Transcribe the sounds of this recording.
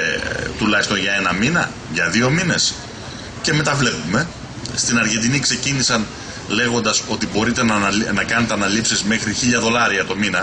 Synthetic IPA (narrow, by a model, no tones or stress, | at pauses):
t̪ulɐçist̪o̞nʝɐe̞nɐminɐ̰ | ʝɐðio̞mine̞s | ce̞me̞t̪ɐvle̞pume̞ | st̪inɐɾʝe̞nd̪inikse̞cinisɐn | le̞ɣo̞nd̪ɐso̞t̪ibo̞ɾit̪e̞nɐnɐkɐnet̪eɐnɐlipsizme̞xɾiçiʎɐðo̞lɐɾiɐt̪o̞minɐ